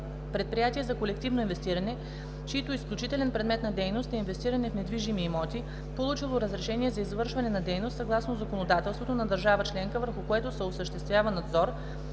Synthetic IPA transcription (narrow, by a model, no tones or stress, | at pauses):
pɾɛt̪̚pɾijat̪iɛzɐkolɛk̚t̪ivnoinvɛst̪iɾɐnɛ | t͡ʃiit̪oisklʲut͡ʃit̪ɛlʲɛnpɾɛd̪mɛt̪nɐd̪ɛjnost̪ɛinvɛst̪iɾɐnɛfnɛd̪viʒimiːmɔt̪ʲi | polˠut͡ʃilˠoɾəzɾɛʃɛniɛzɐizvɤɾʃvɐnɛnɐd̪ɛjnost̪sɐɡlˠasnozɐkonod̪at̪ɛlˠst̪vot̪onɐd̪əɾʒavət͡ʃlɛŋkəvəɾxʊkoɛt̪osɛosəʃt̪ɛst̪vʲjavənɐd̪zɔɾ